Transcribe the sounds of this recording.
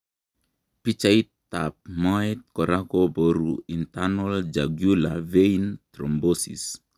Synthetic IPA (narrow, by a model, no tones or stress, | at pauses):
pit͡ʃait̪ː | ap̚mɔɛt̪̚kɔɾakoboɾuint̪anɔld͡ʒaɡjulavejnt̪ɾɔmbosḭs